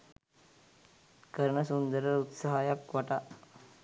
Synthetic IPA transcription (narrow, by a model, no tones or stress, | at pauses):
kɐɾɳɐsund̪ɐɾɐɾut̪sɐɦajɐkʋɐʈa